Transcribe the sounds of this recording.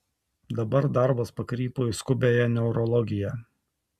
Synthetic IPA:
d̪ɐbɐɾd̪ɑˑɾbɐspɐkɾʲiːpoːɪskʊbʲeːjɛnʲɛʊɾɔlˠɔɡʲɪjɛ

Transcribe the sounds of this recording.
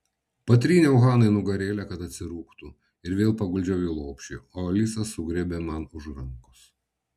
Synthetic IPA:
pɐt̪ʲɾʲiːnʲeʊɣɑːnɐɪnʊɡɐɾʲeːlʲɛkɐt̪ɐt̪ʲsʲɪɾuːkt̪u | ɪɾʋʲeːlˠpɐɡʊlʲd͡ʒʲɛʊjuːlˠoːpʲʃʲioːlʲɪsɐsʊɡɾʲɛbʲeːmɐnʊʒɾɐŋkʊs

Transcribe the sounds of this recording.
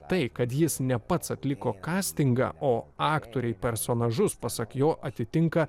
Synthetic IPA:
t̪ɐɪkɐt̪jɪsnʲɛpɐt̪sɐt̪ʲlʲɪkoːkɑːsʲt̪ʲɪŋɡɑ̰ʔoːɑːkt̪oːɾʲɛɪpʲɛɾsoːnɐʒʊspɐsɐkjoːʔɐt̪ʲɪt̪ʲɪŋkɐ

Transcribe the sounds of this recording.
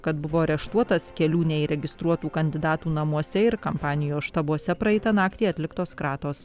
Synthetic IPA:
kɐt̪bʊʋoːɐɾʲɛʃt̪uɔt̪ɐskʲɛlʲuːnʲɛiɾʲɛɡʲɪst̪ɾuɔt̪uːkɐnʲd̪ʲɪd̪ɑːt̪uːnɐmuɔsʲɛɪɾkɐmpɑːnʲɪjoːsʃt̪ɐbuɔsʲɛpɾɐɛɪt̪ɐnɑːkt̪ʲiːɐt̪ʲlʲɪkt̪oːskɾɑːt̪oːs

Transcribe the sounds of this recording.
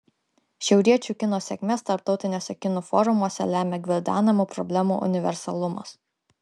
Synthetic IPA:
ʃʲɛʊɾʲiɛt͡ʃʲuːˑkʲɪnoːsʲɛkʲmʲɛst̪ɐɾp̚t̪ɒʊt̪ʲɪnʲoːsʲɛkʲɪnuːfɔɾʊmuɔsʲɛ̰lʲæːmʲɛɡʲʋʲɪlʲd̪ʲæ̰ːnɐmuːpɾɔbʲlʲæmṵʔʊ̰nʲɪʋʲɛ̰ɾsɐlˠʊmɐ̰s

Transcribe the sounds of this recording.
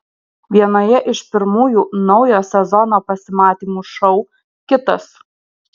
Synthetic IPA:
ʋʲiɛnoːjɛʔɪʃpʲɪɾmuːjuːnɒʊjoːsʲɛzɔnoːpɐsʲɪmɑːt̪ʲiːmuːʃɔʊ | kʲɪt̪ɐs

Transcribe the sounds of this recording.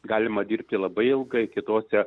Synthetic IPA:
ɡɑːlʲɪmɐd̪ʲiːɾʲp̚ʲt̪ʲɪlˠɐbɐɪɪlˠɡɐɪkʲɪt̪oːsʲɛ

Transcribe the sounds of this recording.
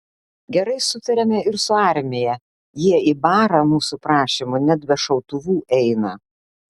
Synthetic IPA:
ɡʲɛɾɐɪsʊt̪ʲɐɾʲɛmʲɛɪɾsʊɑˑɾʲmʲeːjɛ | jiɛibɑːɾɐmuːsupɾɑːʃʲimʊnʲɛd̪bʲɛʃɐʊt̪ʊʋuːʔɛɪnɐ

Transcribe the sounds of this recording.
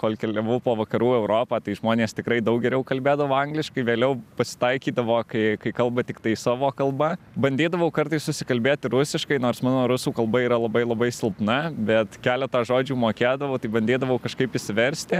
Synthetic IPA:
koːlʲkʲɛlʲɛʋopoːʋɐkɐɾuːɛʊɾoːpɑːt̪ɐɪʒmoːnʲeːst̪ʲɪkɾɐɪd̪ɐʊkɡʲɛɾʲɛʊkɐlʲbʲeːd̪ɐʋoːɐŋɡlʲɪʃkɐɪʋʲeːlʲɛʊpɐsʲɪ̥t̪ɐɪkʲiːd̪ɐʋoːkɐɪkɐɪkɐlˠbɐt̪ʲɪkt̪ɐɪsɑːʋoːkɐlˠbɐ | bɐnʲd̪ʲeːd̪ɐʋɐʊkɐɾt̪ɐɪssʊsʲɪkɐlʲbʲeːt̪ʲɪɾʊsʲɪʃkɐɪnoːɾsmɑːnoːɾʊsuːkɐlˠbɐiːɾɐlˠɐbɐɪlˠɐbɐɪsʲɪlˠpnɐbʲɛt̪kʲæːlʲɛt̪ɑːʒoːd͡ʒʲuːmoːkʲeːd̪ɐʋɐʊt̪ɐɪbɐnʲd̪ʲeːd̪ɐʋɐʊkɐʃkɐɪpɪʃʲsʲɪʋʲɛɾʲsʲt̪ʲɪ

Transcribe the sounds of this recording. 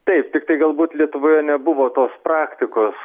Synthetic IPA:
t̪ɐɪp̚t̪ʲɪkt̪ɐɪɡɐlˠbuːt̪lʲiɛt̪ʊʋoːjɛnʲɛbʊʋoːt̪oːspɾɑːkt̪ʲɪkoːs

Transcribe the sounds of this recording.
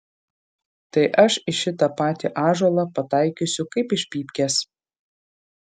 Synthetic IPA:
t̪ɐɪʔɐʃɪʃʲɪt̪ɐpɑːt̪ʲiʔɑːʒoːlˠɑpɐt̪ɑˑɪkʲʊsʲʊkɐɪpɪʃʲpʲiːpʲkʲɛs

